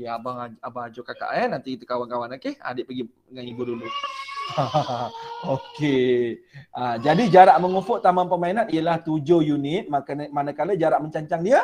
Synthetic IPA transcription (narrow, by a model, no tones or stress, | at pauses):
jaabaŋaabaŋad͡ʒokaka̰ʔɛnant̪ikit̪ukawankawanakea̰dɪʔpəɡi | ŋanibudulua | oke | ʔad͡ʒadid͡ʒaɾaʔməŋufʊʔt̪amanpəmainat̪̚ijəlaht̪ud͡ʒojunit̪̚makanmanakaləd͡ʒaɾaʔməɲt͡ʃaɲt͡ʃaŋdiə